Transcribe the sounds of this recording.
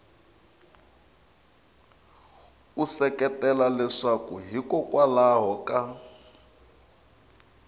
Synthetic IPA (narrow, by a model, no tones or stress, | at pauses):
usɛkɛtɛlalɛʂakuɦikɔkwalaɦɔka